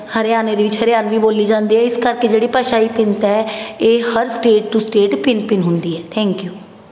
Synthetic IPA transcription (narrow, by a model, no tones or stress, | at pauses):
həɾeaːneːd̪eːʋɪt͡ʃɦəɾeaːnʋiːboːliːd͡ʒãːnd̪iːɦɛːɪskəɾkeːd͡ʒeːɽiːpəʃaːiːpɪnt̪ɛːeːhəɾsʈeːʈʈusʈeːʈpɪnpɪnɦʊ̃nd̪iːɛːt̪ʰɛ̃ːŋkjuː